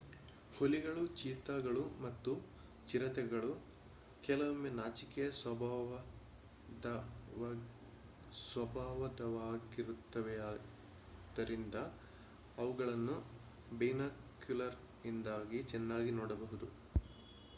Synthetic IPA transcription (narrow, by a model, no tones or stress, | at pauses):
holiɡɐɭut͡ʃiːt̪aːɡɐɭumɐt̪ːu | t͡ʃiɾɐt̪ɛɡɐɭu | kɛlɐʋɐmːeːnaːt͡ʃikɛjɐsʋɐb | sʋɐbʱaːʋɐd̪ɐʋaːɡiɾut̪ːɐʋɛaː | d̪ɐɾʔind̪ɐː | ʋuɡɐɭɐnːu | bejnaːkjulɐɾ | ind̪aːɡit͡ʃɛnːaːɡinɔːɽɐbɐɦud̪u